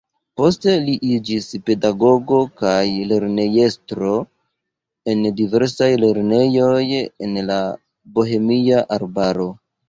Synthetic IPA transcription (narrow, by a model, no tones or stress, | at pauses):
po̞ste̞liʔid͡ʒispe̞daɡo̞ɡo̞kajle̞ɾne̞je̞stɾo̞ | e̞ndive̞ɾsajle̞ɾne̞jo̞je̞̰nla | boɦe̞miaʔaɾbaɾo̞